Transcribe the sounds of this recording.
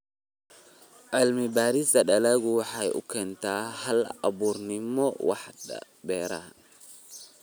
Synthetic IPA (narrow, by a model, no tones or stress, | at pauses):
ʕɪlmɪbaːɾɪsɐɗɐlaɣʊwɑħɑjʊ̰kʰɛːnt̪aːhɐlɐ̰buːrnɪmɔwɑ̰ħ | bɛːɾa̰ː